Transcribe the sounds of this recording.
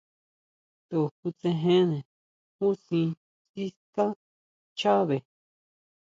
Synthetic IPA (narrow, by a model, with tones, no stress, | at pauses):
t̪o˨ku˧t͡sẽ˧ɦẽ˦nẽ˨ | hu˦sĩ˧ | si˦ska˦ | t͡ʃa˦βe˨